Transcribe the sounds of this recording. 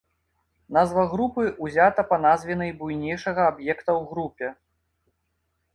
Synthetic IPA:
nazvɐɣɾupɨuzʲat̪ɐpɐnazvʲinɐjbujnʲɛjʂɐɣɐabjɛkt̪ɐwɣɾupʲɛ

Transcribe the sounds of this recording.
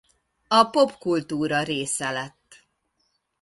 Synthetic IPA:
ɒpo̞pkult̪uːɾɒɾeːsɛlɛt̪ː

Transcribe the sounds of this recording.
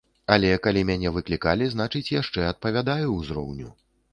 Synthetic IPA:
ɐlʲɛkalʲimʲanʲɛvɨklʲikalʲiznat͡ʂɨt͡sʲjaʂt͡ʂɛɐt̪̚pɐvʲad̪ajuzɾɔ̰wnʲu

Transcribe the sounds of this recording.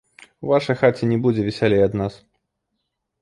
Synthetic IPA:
uvaʂɐjxat͡sʲɛnʲɛbud͡zʲɛvʲɛsʲalʲejɐd̪nas

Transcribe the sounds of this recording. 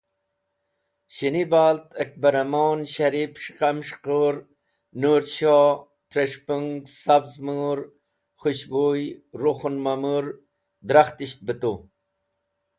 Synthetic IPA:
ɕinibaːlt̪ək̚bɐɾɐmoːnɕaɾipʂqamʂqoɾ | nuːɾɕo | t̪ɾeʂpuŋɡɡsabzmuɾ | χuɕbojɾoxunmamuɾ | d̪ɾaxt̪iɕt̪̚bət̪u

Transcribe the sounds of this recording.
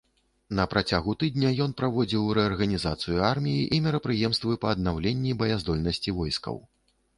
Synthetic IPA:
nɐpɾat͡sʲaɣut̪ɨd̪nʲɐjɔnpɾavɔd͡zʲiwɾɛɐrɣɐnʲizat̪sɨjuarmʲijiʔimʲɛɾɐpɾɨjɛmst̪vɨpɐːd̪nawlʲenʲːibɐjazd̪ɔlʲnɐsʲt͡sʲivɔjskɐ̰w

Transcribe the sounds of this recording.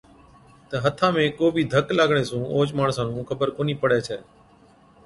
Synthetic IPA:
t̪əɦət̪ʰãːmẽːkoːbʱiːd̪ʱəklaːɡɳ̃eːsũːʔoːt͡ʃmaːɳsãːnũːkʰəbəɾkoːniːpəɽɛːt͡ʃʰɛː

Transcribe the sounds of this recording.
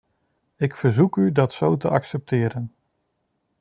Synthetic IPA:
ɪkfəɹzukydɑtsowtəʔɑksɛp̚tɪːɾən

